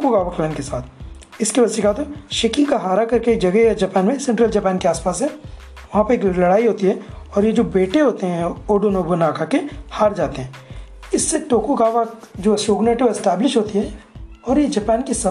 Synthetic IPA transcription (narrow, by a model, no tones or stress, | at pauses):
oːkoɡaːʋaklɛːnkesaːt̪ʰ | ɪskeʋɐsikaːt̪ʃeːkɪ̃ŋɡkaɦaːɾakɐɾked͡ʒɐɡɛjad͡ʒɐpɛːnmẽsɛ̃ɳʈɾəld͡ʒɐpɛːnkeaːspaːsɦɛ | ʋɐɦãpɐeːklɐɽaːiɦoːt̪iɦɛɔːɾjed͡ʒoːbeːʈeɦoːt̪eɦɛ̃oːɖonoːbonaːkʰakehaːɾd͡ʒaːt̪eɦɛ̃ː | ɪsːeʈoːkoɡaːʋad͡ʒoːsoːɡneːʈɪʋɪsʈɛːblɪʃɦoːt̪iɦɛɔːɾjed͡ʒɐpɛːnkisaː